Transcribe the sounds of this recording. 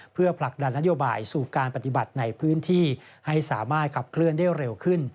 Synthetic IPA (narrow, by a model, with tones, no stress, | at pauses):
pʰɯ˥˩ɐpʰla˨˩k̚da˧nːa˦˥joː˧baː˧jsuː˨˩kaː˧npa˨˧t̪i˨˩ba˨˩t̪̚na˧jpʰɯː˦˥nt̪ʰiː˥˩ | ha˥˩jsaː˩˦maː˥˩t̪̚kʰa˨˩p̚kʰlɯ˥˩əndaː˥˩jɾe˧wkʰɯ˥˩n